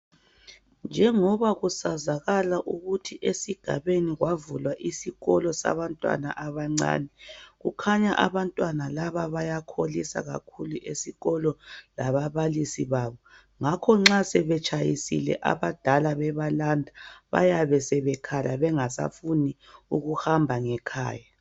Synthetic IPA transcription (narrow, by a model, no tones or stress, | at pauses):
nd͡ʒʱɛŋɔβaɣusazaɣalaʔuɣutʰiʔesiɡ̥ʱa̰βeniɣwavulwaʔisiɣɔlɔsa̰βantʼwa̰na̰ʔaβaŋ͡ǀa̰ːnɛɣukʰaɲaʔa̰βantʼwanalaβaβajakʰolisa̰ɣa̰kʰuluʔesiɣɔlɔlaβaβalisiβaːβɔ | ŋakʰɔŋ͡ǁasɛβɛt͡ʃʼajisḭlɛ̰ʔa̰βad̥ʱalaβɛβalandʱaβa̰jaβɛsɛβɛkʰalaβɛŋasa̰funi | uɣuhambʱaŋɛkʰa̰ːja